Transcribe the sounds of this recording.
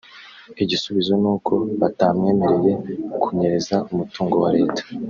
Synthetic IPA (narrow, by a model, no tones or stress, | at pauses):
iɟisuβizo̞nuːko̞βatamɲeːmeɾeje̞kʰuɲe̞ɾe̞zaʔumutuːŋɡo̞waɾe̞ːtḁ